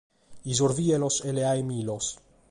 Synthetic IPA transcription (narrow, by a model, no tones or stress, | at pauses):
izoɾvieloseleajmilos